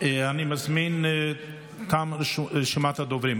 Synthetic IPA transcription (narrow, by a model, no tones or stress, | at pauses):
animazmin | t̪amɾʃʃimat̪ad̪ɔvɾim